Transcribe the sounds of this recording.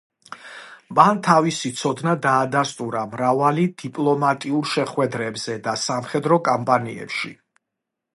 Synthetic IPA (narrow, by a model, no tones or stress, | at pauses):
mant̪ʰavisit̪sʰɔd̪nad̪aːd̪ast̪ʼuɾamɾavalid̪̥ipʼlˠɔmat̪ʼiuɾʃɛχwɛd̪ɾɛbz̥ɛd̪asamχɛd̪ɾɔkʼampʼaniɛ̰pʃḭ